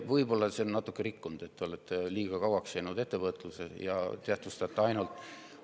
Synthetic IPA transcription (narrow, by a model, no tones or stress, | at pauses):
vɤjbo̞lːɑseonnɑt̪ːˑukːeɾikːund̪̥e̞t̪ːeo̞let̪ːˑeliːɡ̥ɑkɑwɑksjeːnud̪e̞t̪ːevɤt̪ˑlusejɑt̪eæt̪vust̪ɑt̪ːˑeɑjnult̪ːˑ